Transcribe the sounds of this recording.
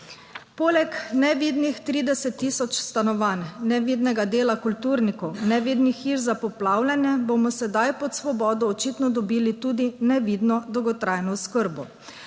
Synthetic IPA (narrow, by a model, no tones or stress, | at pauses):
poːlɛknɛʋiːd̪nixt̪ɾiːd̪ɛsɛt̪ːiːsɔt͡ʃst̪anɔʋaːnːɛʋid̪nɛɡad̪eːlakult̪uːɾnikɔwnɛʋid̪nixiɾzapɔplaːwlʲanjɛbomɔsɛd̪ajpɔt̪sʋɔbɔːd̪ɔːt͡ʃit̪nɔd̪ɔbiːlit̪uːd̪inɛʋiːd̪nɔd̪ɔwɡɔt̪ɾajnɔʊskəɾbɔ